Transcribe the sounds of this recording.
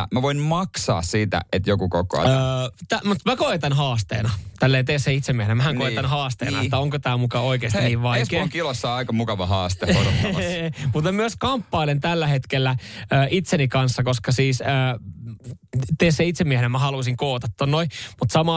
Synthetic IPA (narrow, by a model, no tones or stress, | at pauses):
mæʋoinmɑksɑ̰ːssiːt̪æ̰et̪jokukoko̰ɑ̰t̪æmut̪mækoet̪ɑnɦɑːst̪ḛːnɑt̪ælːeːnt̪eːsːeit̪semːiehenemæhæŋkoet̪ɑnhɑːst̪ḛːnɑetːæoŋkot̪æːmukɑoikeːst̪ːiʋʋɑiskekilosːɑɑikɑmukɑʋɑhɑːst̪eoɾotː | mut̪mæmyøskɑmpːɑilent̪ælːæhet̪kelːæəːʔit̪senikɑnsːɑkoskɑsiːsəː | t̪eːsːeit̪semiehenemmæhɑlusiŋkoːt̪ɑt̪ːonnoimut̪sɑmɑː